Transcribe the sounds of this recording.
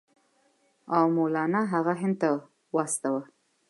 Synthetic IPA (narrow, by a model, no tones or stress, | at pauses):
awmolɑnɑɦaɣaɦɪnd̪̚t̪a | wɑst̪awa